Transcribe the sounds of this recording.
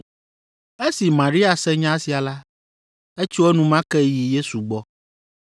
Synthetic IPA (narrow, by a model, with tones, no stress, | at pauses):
e˦si˨mã˨ɾi˦a˨sɛ˦ɲã˦si˨a˨la˦ | e˦t͡ʃi˦wɛ˦nũ˦mã˦kɛ˦ji˨je˦su˨ɡ͡bɔ˦